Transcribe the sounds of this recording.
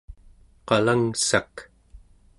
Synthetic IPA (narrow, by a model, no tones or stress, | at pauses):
qɑlaŋsak